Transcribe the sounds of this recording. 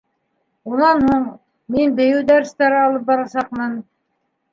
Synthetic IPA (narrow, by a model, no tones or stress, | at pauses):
unɑnhuɴ | minbɘ̆jɘwd̪æɾst̪æɾɘɑlˠɤp̚bɑɾɑsɑqmɤn